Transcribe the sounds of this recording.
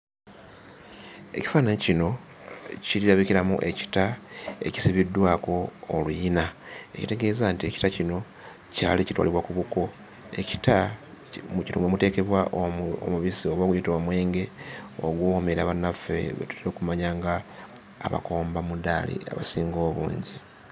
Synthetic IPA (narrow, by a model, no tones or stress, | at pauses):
e̞̰ci̥fanaɲcino̞ | ciliɾaβikiɾamṵʔe̞ci̥tae̞̰ci̥siβidːwaːko̞ːlujinae̞̰cite̞ɡe̞ːzantie̞ci̥tacino̞ | ca̰ːlicitwa̰liβwakuβuko̞ | e̞ci̥ta | mucinomwemute̞ːke̞βwaʔo̰muβisioβoɡujitomwe̞ːŋɡe̞o̰ɡwoːwomeɾa̰βanafːe̞̰βḛtu̥tiɾoːkumaɲaːŋɡaː | βa̰ko̞ːmbamudalḭa̰βa̰siːŋɡo̞ːβṵːɲɟi